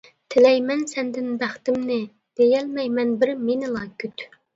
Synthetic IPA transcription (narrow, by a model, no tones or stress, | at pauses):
t̪ʰɪlɛjmɛnsɛnd̪ɪnbæχt̪ɪmnɪ | d̪̥ejɛlmɛjmɛnbɪɾmenɪlˠɑkʰʲyt̪